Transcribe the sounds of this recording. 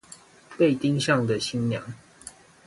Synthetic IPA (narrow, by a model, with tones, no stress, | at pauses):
pe˥˨ɪt̪i˦ŋɕɑ˥˨ŋd̪ə˨ɕi˦nnjɑ̰˨˦ŋ